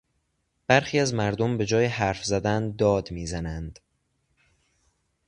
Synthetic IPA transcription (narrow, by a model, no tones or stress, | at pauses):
b̥æɾxiːæzmæɾd̪ombe̞d͡ʒɒːjehæɾfzæd̪ænd̪ɒːd̪miːzænænd̪̥